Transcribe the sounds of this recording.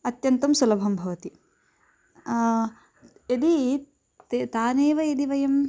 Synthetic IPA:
ɐt̪jɐnt̪ɐmsulɐbʱɐmbʱɐʋɐt̪i | ed̪i | t̪et̪aːneːʋɐjed̪iʋɐjɐm

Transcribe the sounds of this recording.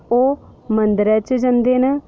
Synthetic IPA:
oː | mənd̪ɾɛːt͡ʃd͡ʒənd̪eːnɛː

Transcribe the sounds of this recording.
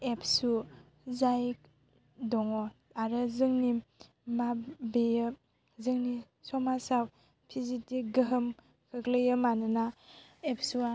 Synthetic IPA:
epʰsu | zaj | dɔŋɔ | aɾɯzɯŋni | mabejɯ | zɯŋni | sɔmasaw | pʰizitiɡɯɦɯm | kʰɯklɯjɯmanɯnaep̚ʰsua

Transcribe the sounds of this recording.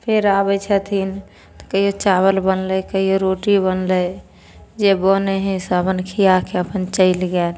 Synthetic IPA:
pʰeɾabət͡ʃʰət̪ʰin | t̪o̥kəiot͡ʃaβəlbənləkəioɾoʈibənlə | d͡ʒeboneɦɛ̃sabənkʰiakeəpənt͡ʃəɪlɡɛːn

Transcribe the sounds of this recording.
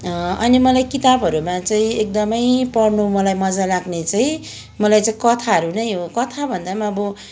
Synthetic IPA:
ʌnimʌlajkit̪abɦʌɾumat͡saĩek̚d̪ʌmʌjpʌɽnumʌlajmʌd͡zalaɡnet͡saĩ | mʌlajt͡saĩkʌt̪ʰaʌɾunʌjɦokʌt̪ʰabʱʌnd̪amaʌbʌ

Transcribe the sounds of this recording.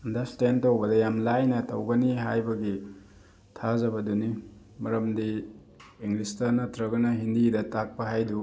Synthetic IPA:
ɐndɐɾstentowbɐdɐjamlajnɐtɐ̰wɡɐniɦa̰jbɐɡi | tʰazɐbɐduni | mɐɾɐmdiː | ŋlistɐnɐtɾɐɡɐnɐɦindidɐtak̚pɐɦajdu

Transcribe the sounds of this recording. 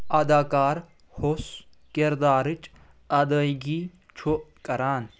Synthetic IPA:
ɐd̪aːkaːɾ | hos | kɪɾd̪aːɾɪt͡ʃ | ɐd̪aɡiː | t͡ʃʰokɐɾaːn

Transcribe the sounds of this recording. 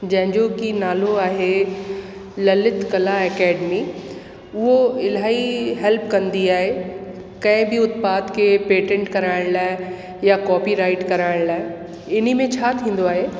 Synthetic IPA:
d͡ʑɐ̃ɦɪ̃ɲd͡ʑokinaːloaːɦe | lɐlɪt̪kɐlaɛkɛːɖmi | ʊɦoɪlaːiɦɛlpkɐ̃nd̪iaːɦe | kɐ̃ɪ̃bɪʊt̪paːt̪kʰepeːʈẽɳʈkɐɾaːɪɽ̃laːɪ | jakɔːpiɾaːɪʈkɐɾaːɪɽ̃laːɪ | ɪnimẽt͡ɕʰaːt̪ʰĩːn̆d̪oaːɦeː

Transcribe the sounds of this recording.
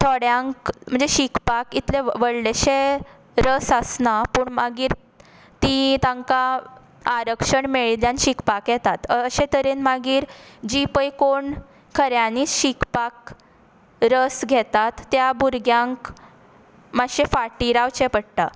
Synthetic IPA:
t̪ʰoɽjaŋkm̤əɳd͡zeɕikpakit̪leʋəɭɖeɕe | ɾəsəsnapuːɳmaɡiːɾ | t̪it̪ãŋkaː | ɾəkʂəɳmeɭljanɕikpakjɛt̪at̪əɕet̪əɾenmaɡiːɾd͡ʑipəjkoɳ | kʰəɾjaniːɕikpak | ɾəsɡʱɛt̪at̪ːjabuɾɡjaŋk | maɕefaʈiɾaʋt͡ɕepəɽt̪a

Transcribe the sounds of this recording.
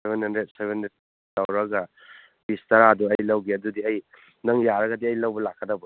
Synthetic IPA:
sebʱenhɐndɾet̚sebʱendɾet̚ | tɐwɾɐɡɐ | b̥istɐɾaduɐjlɐwɡiɐdudiɐj | nɐŋjaɾɐɡɐdiɐjlɐwbɐlakʰːɐdɐbɐ

